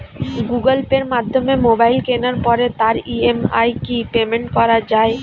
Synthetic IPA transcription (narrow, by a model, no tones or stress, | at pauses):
ɡuɡəlpeɾmad̪ʱːomemobailkenəɾpɔɾet̪aɾiema̰ikipemẽɳʈkɔɾad͡ʒaːe